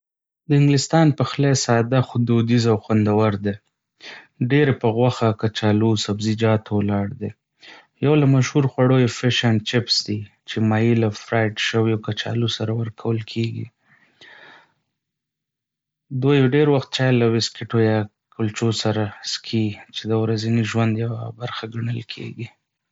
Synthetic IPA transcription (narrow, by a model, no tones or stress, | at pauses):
d̪əɪŋɡlɪst̪ɑnpəxlesɑd̪axʊd̪od̪izawxwand̪awaɾd̪e | ɖeɾepəɣwaxakat͡ʃɑlusabzid͡ʒɑt̪ʰowlɑɽd̪e | jawlamaʃhuɾxwaɽojefɪʃant͡ʃɪpsd̪i | t͡ʃemɑjilafɾajʈʃəwiawkat͡ʃɑ̰lusaɾawəɾkʰawəlkʰeɡḭ | d̪ojeɖeɾwaxt̪̚t͡ʃɑjelawɪskɪʈojɑ | kʰʊlt͡ʃosaɾaskʰit͡ʃed̪əwɾaziniʒwand̪jawabaɾxaɡaɳəlkʰḛɡi